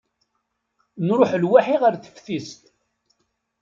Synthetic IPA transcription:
nɾʊħlwaħiʁaɾθə̥fθist̪

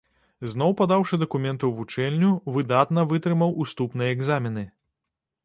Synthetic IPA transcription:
zn̪ɔwpad̪awʂɨd̪ɐkumʲɛnt̪uwvut͡ʂɛlʲnʲuvɨd̪at̪nɐvɨt̪ɾɨmɐwʔust̪upnɨjɐɛɡzamʲinɨ

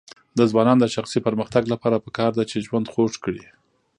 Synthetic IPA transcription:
d̪əzbɑnɑnd̪əʃaxsipəɾməxt̪aɡlapɑɾapəkɑɾd̪at͡ʃeʒwand̪xoʂkɽi

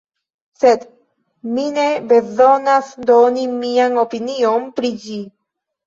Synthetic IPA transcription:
sed̪ | minebe̞zo̞nasd̪onimianopinionpɾid͡ʒi

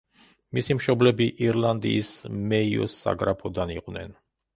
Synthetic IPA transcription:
misimʃɔblɛbiʔiɾlˠand̪ḭːsmɛiɔ̰sːa̰ɡɾapʰɔd̪aniqʼvnɛ̰n

